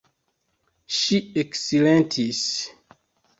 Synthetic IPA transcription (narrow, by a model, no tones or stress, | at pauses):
ʃieksilẽntʰis